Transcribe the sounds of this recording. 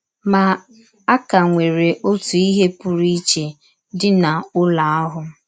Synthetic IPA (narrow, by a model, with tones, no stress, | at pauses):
ma˨ | a˦ka˨ŋʷe˨ɾe˨ʔo˦tu˨i˦ɦe˦pʊ˨ɾi˦t͡ʃe˨ | dɪ˦na˨ʊ˦la˨a˦ɦʊ˨